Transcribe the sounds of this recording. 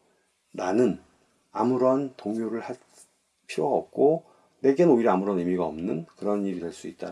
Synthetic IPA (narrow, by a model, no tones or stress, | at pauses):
nanɯn | amuɾʌntoŋjoɾɯɭha | pʰiɾoɡaʌ̰p̚k͈o | ne̞ɡe̞nɯnoiɾamuɾʌnɯmiɡaʌmnɯnkɯɾʌniɾidwe̞ɭs͈uit̚t͈a̰